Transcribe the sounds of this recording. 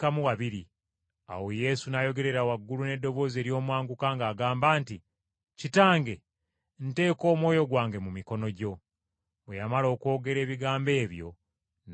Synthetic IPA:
kamuwaβiɾi | a̰woje̞sunajo̞ɡe̞ɾe̞ɾawaɡːulune̞dːo̞βo̞ːze̞ːɾjo̞ːmwaːŋɡukaŋɡaːɡaːmbaːnti | citaːŋɡe̞ | n̩te̞ːko̞ːmwo̞ːjo̞ɡwaːŋɡe̞mumiko̞no̞ɟo̞ | ejamalo̞ːko̞ːɡe̞ɾe̞ːβiɡaːmbe̞ːβjo̞̰

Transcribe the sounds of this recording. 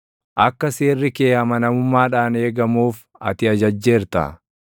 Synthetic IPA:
ʔɐkːɐseːrːɪkeːhɐmɐnɐmʊmːaːᶑaːneːɡɐmuːf | ɐ̰t̪ɪɐd͡ʒɐd͡ʒːe̞ːɾt̪ɐ̰

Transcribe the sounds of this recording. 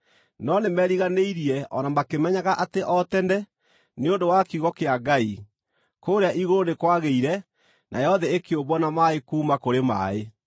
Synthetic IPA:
nɔnemɛɾiɣaneiɾiɛʔɔnamakemɛɲaɣaʔateʔɔtɛndɛ | neondowakiɣɔkeaɡai | koːɾeaʔiɣoɾonekwaɣeiɾɛ | nʔa̰jɛɔðɛekeoβɔnamaekuːmakoɾema̰e

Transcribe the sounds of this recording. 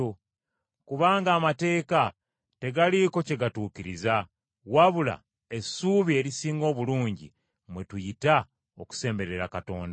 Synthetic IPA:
kuβaːŋɡaːmate̞ːka | te̞ɡaliko̞ce̞ɡatuːkiɾiza | waβula̰ | e̞suβie̞ɾisiːŋɡo̞ːβuluːɲɟḭ | mwe̞tujita | oku̥se̞ːmbe̞ɾe̞ɾakato̞ːnda

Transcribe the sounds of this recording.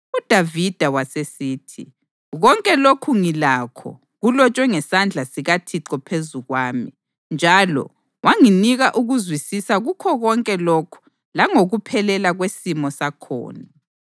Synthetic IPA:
ud̥ʱavid̥ʱawasesiːtʰḭ | ɣɔŋkʼɛlokʰuŋilaːkʰɔ̰ | ɣulɔt͡ʃʼwɛŋɛsand͡ɮʱasiɣatʰiǁɔpʰezuɣwaːmi | nd͡ʒʱalɔ̰ | waŋiniɣaʔuɣuzwisisaɣukʰɔɣɔŋkʼɛlɔkʰu̥ | laŋoɣupʰɛlɛlaɣwesimɔsakʰɔ̰ːna

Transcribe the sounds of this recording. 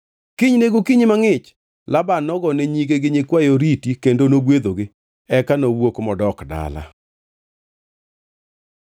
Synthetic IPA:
kiɲneɡokiɲmaŋɪt͡ʃ | labanɔɡɔneɲiɡeɡɪɲɪkwajoɾitikendonoɡwed̪oɡɪ | ɛkanowokmɔdɔkda̰la̰

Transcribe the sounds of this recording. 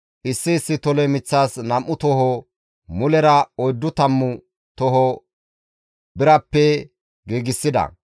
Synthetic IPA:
ʔɪsːɪːsːɪt̪ɔlɛmɪt͡sːaːsnɐmːʊt̪ɔhɔ | mʊlɛɾɐɔjd̪ːʊt̪ɐmːʊ | t̪ɔɦɔ | bɪɾɐpːɛ | ɡeːɡɪsːɪd̪ɐ̰

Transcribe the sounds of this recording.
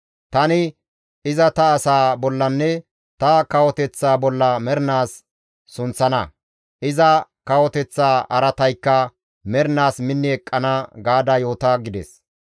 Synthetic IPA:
t̪ɐnɪ | ɪzɐt̪ɐːsaːbɔlːɐnːɛ | t̪ɐkɐwɔt̪ɛt͡sːaːbɔlːɐmɛɾnaːsː | ʊnt͡sːɐnɐ | ʔɪzɐkɐwɔt̪ɛt͡sːaːɐɾɐt̪ɐjkːɐ | mɛɾnaːsmɪnːɪɛkʼːɐnɐɡaːd̪ɐjoːt̪ɐɡɪd̪ɛ̰s

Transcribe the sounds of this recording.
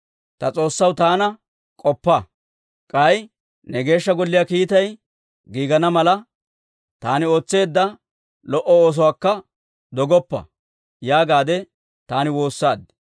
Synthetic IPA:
t̪ɐt͡sʼo̞ːsːɐwt̪aːnɐ | kʼɔpːɐ | kʼɐj | nɛɡe̞ːʃːɐɡɔlːɪjaːkiːt̪ɐj | ɡiːɡɐnɐmɐlɐ | t̪aːnɪo̞ːt͡sːe̞ːd̪ːɐ | lɔʔɔoːs̬ɔwaːkːɐ | d̪ɔɡɔpːɐ̰ | jaːɡaːd̪ɛ | t̪aːnɪwo̞ːsːaːd̪ɪ̥

